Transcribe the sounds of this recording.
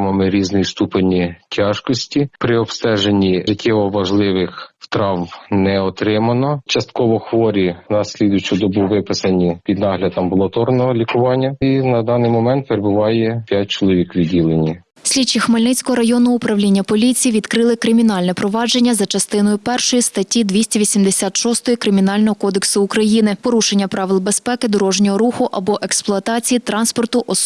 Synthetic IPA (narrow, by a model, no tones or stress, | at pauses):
mɔmɪɾʲiznɪjist̪upenʲitʲʰɑʒkɔsʲtʲipɾɪɔbst̪ɛʒenʲːiʐɪtʲʰːɛʋɔʋɐʒlˠɪʋɪxft̪ɾɑwbnɛɔt̪ɾɪmɐnɔt͡ʃɐst̪̚kɔʋɔxʋɔɾʲinɐsʲlʲid̪ʊjt͡ʃud̪ɔbuʋɪpɪsɐnʲipʲid̪nɑɦlʲɐd̪ɐmbʊlˠɔt̪ɔrnɔɦɔlʲikʊʋɑnʲːɐinɐd̪ɑnɪjmɔmɛnt̪̚peɾebʊʋɑjɛpʲjat̚ʲt͡ʃɔlˠɔʋʲikʋʲidʲilˠenʲi | sʲlʲit͡ʃːixmɐlʲnɪt͡sʲkɔɦɔɾɐjɔnʊʊpɾɐwlʲinʲːɐpɔlʲit͡sʲijiʋʲid̪kɾɪlˠɪkɾɪmʲinɑlʲnɛpɾɔʋɑd͡ʒe̞nʲːɐzɐt͡ʃɐst̪ɪnɔjʊpɛrʃɔjist̪ɐtʲːid̪ʲʋʲisʲtʲɐʋʲisʲimd̪esʲat̪ʃɔst̪ɔjikɾɪmʲinɑlʲnɔɦɔkɔd̪eksʊːkɾɐjinɪpɔɾuʃenʲːɐpɾɑʋɪlˠbe̞spɛkɪd̪ɔɾɔʒnʲɔɦɔɾuxʊʔɐbɔʔeksplˠʊɐt̪ɑt͡sʲijit̪ɾɑnspɔrt̪ʊʔɔ